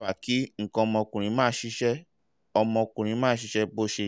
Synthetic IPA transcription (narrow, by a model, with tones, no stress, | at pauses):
a˨ki˨˦ŋ̩˨kɔ̃˧ɔ˧mɔ̃˧kũ˨ɾ̃ĩ˨˧˦mãː˦ʃi˦ʃɛ˦ | ɔ˧mɔ̃˧kũ˨ɾ̃ĩ˨˧˦mãː˦ʃi˦ʃɛ˦bo˦ʃe˧